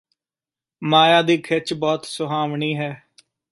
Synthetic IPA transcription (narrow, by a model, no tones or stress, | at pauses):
maːjaːd̪iːkʰɪt͡ʃbɔːt̪sʊɦaːʋɳiːɦɛː